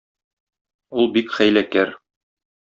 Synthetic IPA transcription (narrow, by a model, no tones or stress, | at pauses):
ulˠbikχæjlækæɾ